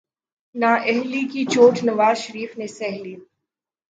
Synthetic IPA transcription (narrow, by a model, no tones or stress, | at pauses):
naʔɛɦlikit͡ʃoːʈʰnɐʋaːzʃɐɾiːfnesɛɦliː